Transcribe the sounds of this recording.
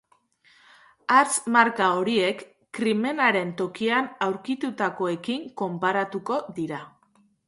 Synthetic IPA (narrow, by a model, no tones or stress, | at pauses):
aɾt͡smaɾkao̞ɾie̞kː | ɾime̞naɾe̞nt̪o̞kianawɾkit̪ut̪ako̞e̞kiŋko̞mpaɾat̪uko̞ðiɾa